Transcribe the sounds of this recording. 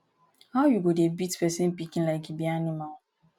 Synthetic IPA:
haʊjuɡodebitpɛsɪ̃npikĩnlaɪkebianimal

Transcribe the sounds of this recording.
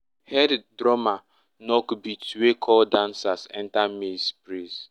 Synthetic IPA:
hɛddɾɔma | nɔkbitwekʰɔldãnsasɛ̰̃ntamespɾis

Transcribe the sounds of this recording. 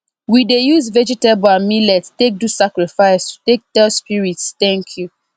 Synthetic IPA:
widejuzvɛd͡ʒitebãmilɛttek̚dusakɹifaɪsutek̚d̥ɛspiɹitst̪ɛ̃ŋkʰju

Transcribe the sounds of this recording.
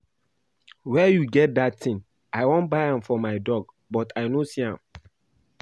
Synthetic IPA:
wɛjuɡɛt̚datĩŋ | aɪwõntbaɪãmfɔmaɪdɔɡ | bɔtʰaɪnosiã̰m

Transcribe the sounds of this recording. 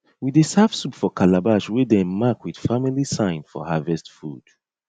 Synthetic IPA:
widesafsupfɔkʰalabaʃwedɛ̃nmakwid̥familisãɪ̃nfɔ̰havɛstfṵd̥

